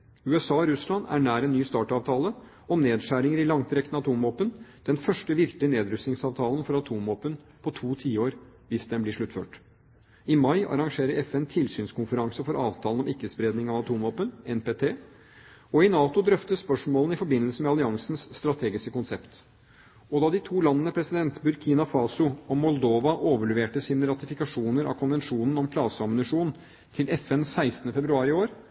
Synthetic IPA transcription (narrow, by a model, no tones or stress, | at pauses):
ʉːɛsɑːɔɾʉslɑnæ̰ɳæːɾɛnːyːst̪ɑːʈɑːʋt̪ʰɑːlə | ɔmneːd̪ʂæːɾɪŋəɾɪlɑŋt̪ʰɾɛkt̪nəɑt̪ʰuːmɔpːənd̪̥ɛnfœʂʈəʋɪɾklɪəneːd̪ɾʉsnɪŋsɑːʋt̪ʰɑːlənfɔɾɑt̪ʰuːmːɔpːən | pʰɔt̪ʰuːt̪ʰiːəoːɾ | ʋɪsd̪ɛnblɪʂɭʉt̪ːfø̰ːʈ | ɪmɑɪʔɑ̰ɾɑŋʂeːɾəɾɛfɛnt̪ʰɪlsyːnskʊnfəɾɑŋsəfɔɾʔɑːʋt̪ʰɑːlənɔmɪkːəspɾeːd̪nɪŋɑʋɑt̪ʰuːmʋɔpənɛnpeːt̪ʰeː | ɔɪnɑːt̪ʊd̪ɾœft̪əspœʂmoːln̩ɪfɔɾbɪnːəlsəmɛɑlɪɑŋsn̩sːt̪ɾɑt̪ʰeːɡɪskəkʊnsɛpt̪ | ɔd̪ɑːd̪ɪt̪ʰuːlɑnːənəpʰɾɛsɪd̪ɛnt̪bʉɾkʰiːnɑfɑːsʊɔmɔld̪oːʋɑʔoːʋəɭɛʋeːʈəsiːnəɾɑt̪ɪfɪkɑʂuːnəɾɑ̰ʋkʰʊnʋɛnʂuːnən̩ɔmkʰlɑːsəɑmənɪʂuːn | t̪ʰɪlʔɛfɛnsæɪst̪ənəfɛbɾʉɑːɾɪoːɾ